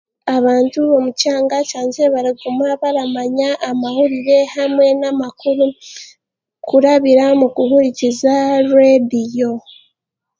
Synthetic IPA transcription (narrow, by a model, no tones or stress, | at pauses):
aβaːntuβo̞mucaːŋɡacaːɲze̞βaɾiɡumaβaɾamaɲaʔːmahuɾiɾe̞hamwe̞namakuɾu | kuɾaβiɾamukuhuɾicizaɾuedijo̞